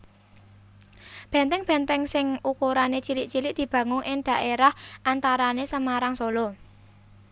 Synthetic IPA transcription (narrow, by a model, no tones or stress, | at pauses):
b̥ɛ̤nt̪ɛŋb̥ɛ̤nt̪ɛŋsɪŋʔukuɾanet͡ʃilɪʔt͡ʃilɪʔ̚d̪̥i̤b̥ä̤ŋʊŋʔɪŋd̪̥a̤ʔeɾahʔant̪aɾanesəmaɾaŋsolɔ